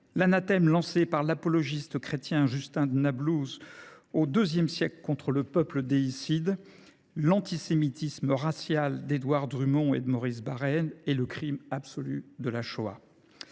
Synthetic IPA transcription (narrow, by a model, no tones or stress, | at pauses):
lanat̪ɛmlɑ̃sepaʁlapɔlɔʒist̪əkχet̪jɛ̃ʒyst̪ɛ̃d̪ənabluzod̪øzjɛmsjɛklkɔ̃t̪χələpœpləd̪eisid̪ | lɑ̃t̪isemit̪isməʁasjald̪ed̪waʁd̪ʁymɔ̃ḛd̪əmɔʁisbaʁɛnɛləkχimabsɔlyd̪əlaʃoa̰